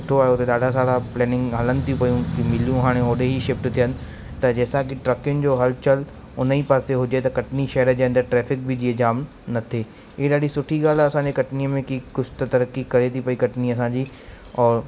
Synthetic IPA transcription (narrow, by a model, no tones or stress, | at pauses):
ʈʰoaːjot̪eɗaːɖʱas̬aːlaplɛːnɪ̃ŋɡɦɐlənɪ̆t̪ʰijũpɐjũkimɪlijũɦaːɽ̃ẽɦoːɗeɦiʃɪfʈt̪ʰijənɪ̆ | t̪ɐd͡ʑɛːsãkɪʈɾɐkɪjʊnɪ̆d͡ʑoːɦɐlt͡ɕəl | ʊnəipaːseɦʊd͡ʑet̪ɐkɐʈniʃɐɦəɾəd͡ʑeːɐnd̪əɾʈɾɛːfɪk̚bɪd͡ʑiːəd͡ʑaːm | nɐt̪ʰeː | ɪɦeɗaːɖʱisʊʈʰiɡaːl̤ɐsãːɲd͡ʑekɐʈniːəmẽkikʊsʰt̪ɐt̪ɐɾəkːikɐɾet̪ʰipɐikɐʈniɐs̬ãːɲd͡ʑiː | ɔːɾ